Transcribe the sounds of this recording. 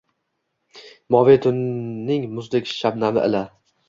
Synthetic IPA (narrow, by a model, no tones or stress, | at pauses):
mɒvet̪ʰʊnːɪŋmʊzlɪkʲʃabnamɪ̰ʔɪ̰la